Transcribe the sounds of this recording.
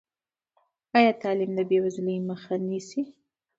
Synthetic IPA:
ɑjɑt̪ɑlimd̪əbewazləjməxanisi

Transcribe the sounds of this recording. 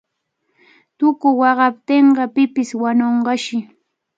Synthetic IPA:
t̪ʊkʊwɑɢɑp̚t̪eɴɢɑpɪpɪswanoɴɢɑʃɪ

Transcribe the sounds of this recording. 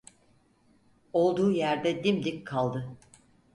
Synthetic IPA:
o̞lˠd̪uːjæɾd̪ɛd̪imd̪ikkʰalˠd̪ɯ

